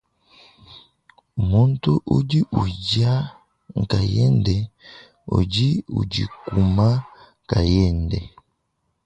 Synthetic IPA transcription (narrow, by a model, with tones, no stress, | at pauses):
mu˦n˦tu˦ʔu˦di˦ʔu˨ɟa˦ | ŋ˨ka˨jɛ˦ndɛ˨ | o̰˨ɟi˦ṵ˨d͡ʒi˨ku˨ma˦ | ŋ˨ka˨jɛ˦˨ndɛ˨